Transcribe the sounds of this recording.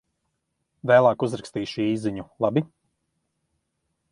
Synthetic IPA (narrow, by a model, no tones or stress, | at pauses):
væːlˠaːkuzɾakst̪iːʃiiːziɲulˠabi